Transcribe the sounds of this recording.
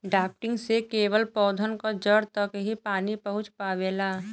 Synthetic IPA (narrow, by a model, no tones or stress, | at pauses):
ɖaːp̚ʈɪ̃ŋɡsekeːʋəlpɔːd̪ʱənkod͡ʒəɽt̪əkɦipaːnipəɦʊ̃t͡ʃpaːʋeːlaː